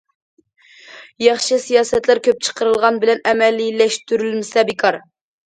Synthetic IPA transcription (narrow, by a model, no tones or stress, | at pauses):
jɑχʃɨsijɑːsɛt̪læɾkʲʰøp̚t͡ʃʰə̥qʰəɾɨəlˠʁɑnbɪlɛnɛmɛlːilɛʃt̪yɾylmɪsɛbɪkʰɑɾ